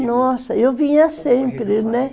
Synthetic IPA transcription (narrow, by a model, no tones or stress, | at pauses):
nɔsɐewvĩɲɐsẽmpɾɪnɛ